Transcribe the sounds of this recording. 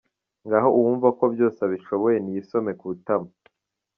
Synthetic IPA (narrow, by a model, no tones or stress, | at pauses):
ŋɡaɦo̞uwuːɱvako̞bjo̞ːsaβiʃo̞βo̞je̞nijiso̞me̞kutama